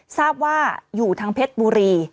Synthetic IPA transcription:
saː˥˩p̚waː˥˩juː˨˩t̪ʰaː˧ŋpʰe˦˥t̪̚buː˧ɾiː˧

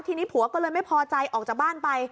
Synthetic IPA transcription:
t̪ʰiː˧niː˦˥pʰu˨˩˦ɐkɔː˥˩lɤː˧jma˥˩jpʰɔː˧t͡ɕa˧jʔɔː˨˩k̚t͡ɕaː˨˩k̚baː˥˩npa˧j

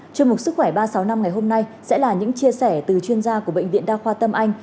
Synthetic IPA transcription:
t͡ɕɔ˧mʊ˨˩t̚sɨ˦˥kxwɛ˧˩ɓaː˧sa˨˦wna˧mŋa˨˩jɦo˧mna˧jsɛ̰˧˥laː˨˩ɲɨ̰˧˥ŋt͡ɕi˧əsɛ˧˩t̪ɨ˨˩t͡ɕwi˧ənzaː˧ku˧˩əɓə̰˧˨ŋ̟vḭ˧˨ənɗaː˧xwaː˧t̪ə˧mʔa˧jŋ̟

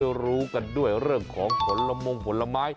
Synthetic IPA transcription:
ɾuː˦˥ka˧ndu˥˩əjɾɯ˥˩əŋkʰɔː˩˦ŋpʰo˩˦nla˧mo˧ŋpʰo˩˦nlːa˧maː˦˥j

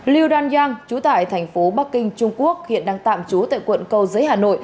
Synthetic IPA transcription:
li˧wɗaː˧nzaː˧ŋt͡ɕu˨˦t̪a̰ː˧˨jt̪ʰɛ˨˩jŋ̟fo˨˦ɓa˦˥k̚ːï˧ŋ̟t͡ɕʊ˧ŋ͡mku˦˥ək̚hḭ˧˨ənɗaː˧ŋt̪a̰ː˧˨mt͡ɕu˨˦t̪a̰ː˧˨jkwə̰˧˨nkə˧wzəː˨˦jhaː˨˩no̰˧˨j

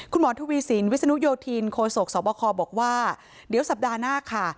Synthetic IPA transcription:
kʰu˧nmɔː˩˦t̪ʰuː˧wiː˧si˩˦nwi˦˥t̪̚sa˧u˦˥joː˧t̪ʰiː˧nkʰoː˧so˨˩k̚sɔː˩˦pɔː˧kʰɔː˧bɔː˨˩k̚waː˥˩ | di˨˦wsa˨˩p̚daː˧naː˥˩kʰa˥˩

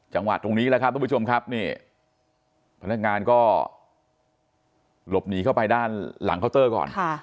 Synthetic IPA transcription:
t͡ɕa˧ŋwa̰˨˩t̪ːɾo˧ŋniː˦˥lkʰa˦˥p̚ɾʰt͡ɕo˧mkʰa˦˥p̚niː˥˩ | pʰa˧na˦˥k̚ŋaː˧nkɔː˥˩ | lo˨˩p̚niː˩˦kʰa˥˩wpa˧jdaː˥˩nla̰˩˦kʰa˥˩wt̪ɤː˥˩kɔ̰ː˨˩nʰa˥˩

